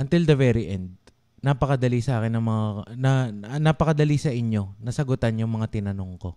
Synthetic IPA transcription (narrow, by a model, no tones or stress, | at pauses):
ʔɐnt̪ɪld̪ɐvɛɾɪʔɛnd̪̚ | napɐkɐd̪ɐlisɐʔaːkɪnːɐŋmɐŋanɐnapɐkɐd̪ɐlisɐʔɪɲjo̞nɐsɐɡʊt̪anjʊŋmɐŋat̪ɪnɐno̞ŋko̞